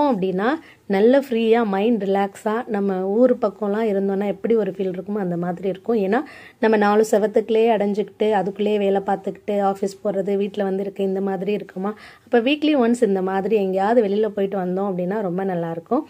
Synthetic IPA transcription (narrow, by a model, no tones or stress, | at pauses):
õɐpːɐɽɪnːaː | nɐlːɐfɾiːjaːmɐɪɳɖɾɪlaːksaːnɐmːɐuːɾɯpɐkːõːlãːɪɾɯnd̪oːnːaːɛpːɐɽiɔɾɯfiːlɪɾɯkːɯmɐnd̪ɐmaːðɾiɪɾɯkːʊ̃eːnːaː | nɐmːɐnaːɭɯsɛʋɐt̪ːɯkːɯleːɐɽɐɲd͡ʒɯkːɪ̥ʈːɯɐðɯkːɯɭleːʋeːlɛpaːɾt̪ɯkːɪ̥ʈːɯaːfispoːɾɐðɯʋiːʈːɪlɐʋɐnd̪ɯɪɾɯkːɯ̃ɪnd̪ɐmaːðɪɾiɪɾɯkːɯmaːɐpːɐːʋiːkliʋɐnsɪnd̪ɐmaːðɪɾiɛŋɡɐjaːʋɐðɯʋɛɭɪjɪlɐpoːjɪʈːɯʋɐnd̪õːɐpːɐɽɪnːaːɾɔmbɐnɐlːaːɪɾɯkːʊ̃